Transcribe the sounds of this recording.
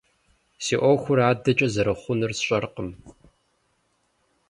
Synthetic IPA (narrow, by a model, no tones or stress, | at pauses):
siːʔʷoxʷʊɾaːdɐt͡ʃʼɐzɐɾɨχʷʊnɨrsɕʼɐrqəm